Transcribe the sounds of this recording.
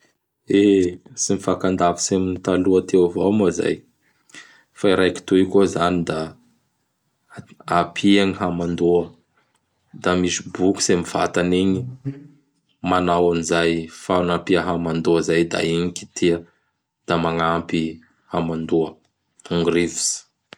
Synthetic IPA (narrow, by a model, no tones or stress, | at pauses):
esimifakand̪avi̥seminit̪aluat̪ewavawmaza̰j | faiɾajki̥t̪uikozanid̪a | apʰiaŋiɦamand̪uə | d̪̥amisibuku̥semiv̥a̰t̪aniɲi | manawanizajfanapiəɦamand̪uəzajd̪a̰iɲiki̥t̪ʰiə | d̪̥amaŋampi | hamand̪uə | puŋɡuɾivi̥si̥